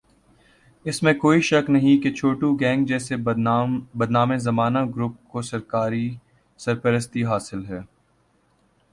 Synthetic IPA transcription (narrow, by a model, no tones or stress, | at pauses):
ɪsmẽkoːiʃɐknɐɦĩket͡ʃʰoːʈuɡɛ̃ːŋɡd͡ʒɛːse | bɐd̪naːmẽzɐmaːnaɡɾʊp̚kosɐɾkaːɾi | sɐɾpɐɾəst̪iɦaːsɪlɦɛː